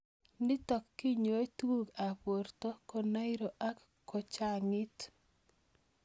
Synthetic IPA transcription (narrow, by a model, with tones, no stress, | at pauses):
nɪ˦tɔ˨kːi˦ɲo˨e˦twu˦ɡa˨pwo˨rto˦ko˨na˦i˦ɾo˨ʔa˦k | kːo˨t͡ʃa˦ŋɪ˦t